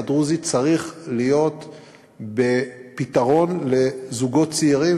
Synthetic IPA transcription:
ad̪ʁuzit͡saʁiχlijo̞t̪ | bepit̪aʁo̞nle̞zuɡo̞tt͡siiʁi

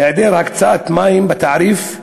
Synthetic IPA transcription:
eʕd̪eːlhakt͡saːt̪maːjɪmbɪt̪aʕɾiːf

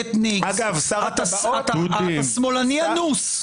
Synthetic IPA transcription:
et̪niɡaɡavsaʁat̪at̪ud̪ismolanianus

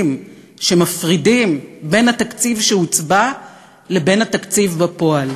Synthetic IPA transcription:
m | ʃe̞mafʁidimbe̞nhat̪akt͡sivʃeut͡sba | le̞be̞nhat̪akt͡sivbapo̞al

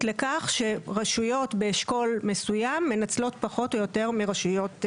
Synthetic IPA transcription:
lekaχʃe̞ʁaʃujo̞tbeːʃko̞lme̞sujamːe̞nat͡slo̞tpaχo̞tojo̞te̞ʁmiʁaʃujo̞t

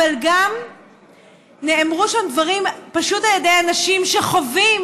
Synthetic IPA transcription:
alɡam | neemʁuʃamd̪vaʁimpaʃutaljedejanaʃimʃe̞χo̞vim

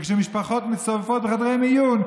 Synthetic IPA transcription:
kʃɛmɪʃpaχɔtmɪsɔvfɔtχadʁemijun

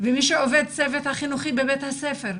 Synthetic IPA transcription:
vemiʃeoved̪̚t͡sevet̪haχinuχibebet̪hasefeʁ

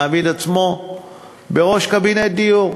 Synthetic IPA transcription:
avilat͡smo | beʁoʃkabined̪iju

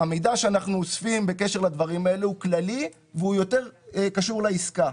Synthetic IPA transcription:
amejd̪aʃeanaχnuosfimbe̞keʃe̞ʁlad̪vaʁimaelehuklali | veujo̞t̪e̞ʁkaʃuʁlaiska

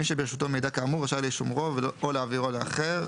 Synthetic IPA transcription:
iʃebeeʃut̪omed̪akaːmuʁaʃajliʃumʁoveoleaviʁolaaχeʁ

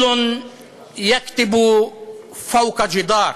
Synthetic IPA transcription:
ʊn | jakt̪ɪb | fawqad͡ʒɪd̪ɑːɾˤ

